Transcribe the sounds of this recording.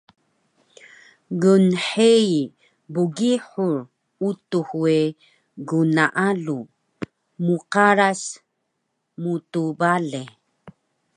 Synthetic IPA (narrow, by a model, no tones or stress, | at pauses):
ɡunħei | buɡiħur | utuhue | ɡunaʔalu | muqaɾas | mutubale